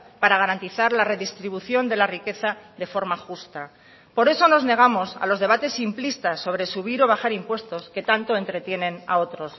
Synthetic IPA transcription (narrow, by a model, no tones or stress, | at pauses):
paɾaɣaɾant̪iθaɾlare̞ðist̪ɾiβ̞uθjo̞nd̪e̞larike̞θaðe̞fo̞ɾmaxust̪a | po̞ɾe̞so̞no̞zne̞ɣ̞amo̞sa̰lo̞zðe̞β̞at̪e̞simplist̪asːo̞β̞ɾe̞suβiɾo̞β̞axaɾimpwe̞st̪o̞ske̞t̪ant̪o̞e̞nt̪ɾe̞t̪je̞nẽ̞na̰o̞t̪ɾo̞s